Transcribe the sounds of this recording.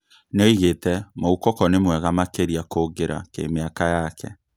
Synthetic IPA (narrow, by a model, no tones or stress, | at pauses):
neɔiɣetɛmoukɔkɔnemwɛɣamakeɾiakoːɡeɾa̰kḛmeakajakɛ̰